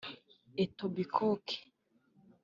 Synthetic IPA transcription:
etobikʰokʰe̥

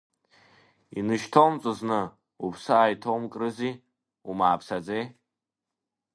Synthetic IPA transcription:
inɨʃtʰowmt͡sʷʼɨznɨ | upʰsɨajtʰowmkʼrɨzi | umaːpʰsad͡zej

